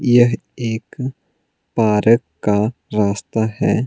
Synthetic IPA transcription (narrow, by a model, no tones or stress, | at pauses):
jəɦ | eːk | paːɾəkːaɾaːst̪aɦɛː